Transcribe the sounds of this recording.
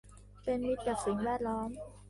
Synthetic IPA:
pe˧nmi˦˥t̪̚t͡ɕaː˨˩k̚si˨˩˦ŋwɛː˥˩t̪̚lɔː˦˥m

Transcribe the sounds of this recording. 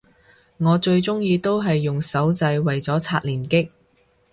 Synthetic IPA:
ŋɔː˨˧t͡ʃɵ˧ɥt͡sʊ˥ŋjiː˧t̪o˥wɦɐ˨jːʊ˨ŋsɐ˨˥wt͡sɐ˧jwɐ˨jt͡sɔː˨˥t͡sʰaː˧t̚liː˨˩nkɪ˥k̚

